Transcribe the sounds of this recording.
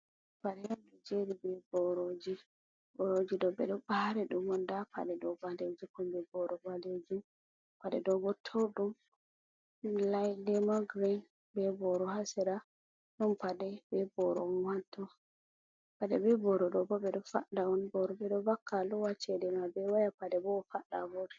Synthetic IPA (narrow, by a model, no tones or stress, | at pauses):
padɛjɔndɛd͡ʒeɾibɛbɔɾod͡ʒi | bɔɾod͡ʒiɗɔbɛɗɔbahɾɛɗumɔndapa̰ɗɛɗɔbaded͡ʒikɔmbɛbɔɾɔbanded͡ʒum | paɗɛdɔɡɔtʰowɗum | lajdɛmaɡɾin | bɛbɔɾɔhasɛɾa | nɔnpadɛbɛbɔɾɔ̰ɔwantːɔ | padɛbɛbɔɾɔɗɔbɔbɛɗɔfaɗaɔnbɔɾɔbɛɗɔbakːalɔwat͡ʃːɛdɛmabɛwajapadɛbɔfaɗabɔd